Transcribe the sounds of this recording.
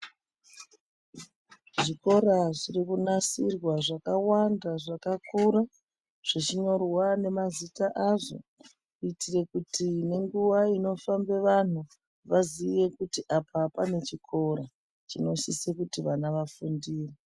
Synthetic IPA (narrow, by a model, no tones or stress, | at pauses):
ʐiko̞ɾaʐirikunasirwaʐakawandaʐakakuɾa | ʐ̥it͡ʃiɲo̞rwane̞mazitaʔaʐo̞̰ | itire̞kutine̞ŋɡuʋaino̞fambe̞ʋan̤u | ʋaziʋe̞kutiʔapapane̞t͡ʃikʰo̞ɾa | t͡ʃino̞ʃisekutiʋanaʋafundiːre